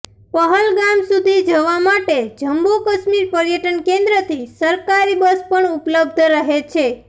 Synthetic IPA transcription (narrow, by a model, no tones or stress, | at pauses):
pəɦəlɡamsud̪ʱid͡ʒəʋamaʈed͡ʒəmbokəʃmiɾpəɾjəʈənkẽnd̪ɾət̪ʰisəɾkaɾibəspəɳupləb̚d̪ʱɾəɦet͡ʃʰe